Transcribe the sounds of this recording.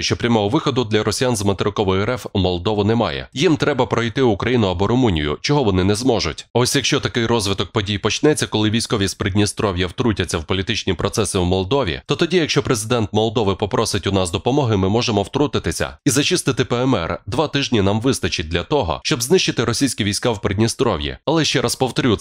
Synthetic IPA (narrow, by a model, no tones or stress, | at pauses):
ʃt͡ʃɔpɾʲɐmɔɦɔʋɪxɔd̪ʊd̪lʲɐɾɔsʲijanzmɐt̪eɾɪkɔʋɔjɛɾɛfmɔlˠd̪ɔʋʊnɛmɑ̰jɛ̰jimt̪ɾɛbɐpɾɔjt̪ɪʊkɾɐjinʊɐbɔɾʊmunʲḭjʊ̰t͡ʃɔɦɔʋɔnɪnɛzmɔʒʊ̰tʲɔsʲjɐkʃt͡ʃɔt̪ɐkɪjrɔzʋɪt̪ɔk̚pɔdʲijpɔt͡ʃnɛt͡sʲːɐkɔlˠɪʋʲijsʲkɔʋʲispɾɪd̪ʲnʲist̪ɾɔʋʲjɐwt̪ɾutʲɐt͡sʲːɐwpɔlʲit̪ɪt͡ʃnʲipɾɔt̪sɛsɪwmɔlˠd̪ɔʋʲḭt̪ɔt̪ɔdʲijɐkʃt͡ʃɔpɾezɪd̪ɛnt̪mɔlˠd̪ɔʋɪpɔpɾɔsɪtʲʊnasd̪ɔpɔmɔɦɪmɪmɔʒemɔwt̪ɾut̪ɪt̪ɪsʲɐ̰izɐt͡ʃɪst̪ɪt̪ɪpɛɛmɛ̰rd̪ʋat̪ɪʒnʲinamʋɪst̪ɐt͡ʃɪt̚ʲd̪ʲlʲɐt̪ɔɦɔ̰ʃt͡ʃɔbznɪʃt͡ʃɪt̪ɪɾɔsʲijsʲkʲiʋʲijsʲkawpɾʲedʲnʲist̪ɾɔʋjḭɐlˠɛʃt͡ʃɛɾɐspɔwt̪ɾʲu